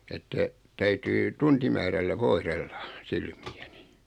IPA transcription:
etːæ tæytyː tuntimæːrælːæ ʋoihrelːɑ̥ silmiæni

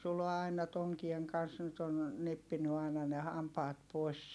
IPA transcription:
sulo ɑinɑ toŋkieŋ kɑns nyt on nepːiny ɑˑi̯nɑ ne hɑmpɑːt poˑi̯s

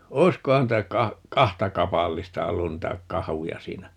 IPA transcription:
oi̯skohɑn niːtæ kɑ kɑhtɑ kɑpɑlːistɑ olːun niːtæ kɑhujɑ siːnæ

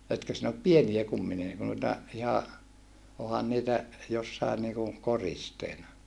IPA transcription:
etkø sin op pieniæ kumːini n nuitɑ ihɑ ohɑn niːtæ josːɑin niːku koristeːnɑ

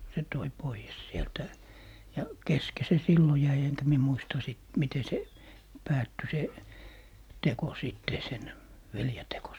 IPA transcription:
se toi poijes sieltæ jɑ keske se silːo jæi eŋkæ mie muistɑ siˑt mite se pæːtːy se teko siˑtːe sen ʋelje teko

